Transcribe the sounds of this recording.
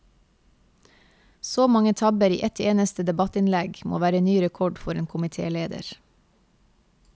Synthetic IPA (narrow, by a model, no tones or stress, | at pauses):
soːmɑŋət̪ʰɑbəɾḭːʔɛt̪eːnəst̪əd̪ɛbɑt̪ɪnlɛɡmʔo̰ːʋæːɾənyːɾɛkʰɔɖfɔɾeːnkʰʊmɪt̪ʰḛːleːd̪ə̰ɾ